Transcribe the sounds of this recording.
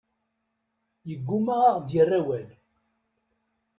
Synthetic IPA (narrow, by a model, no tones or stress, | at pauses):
jəɡːumaʁaʁd̪jərːæwæl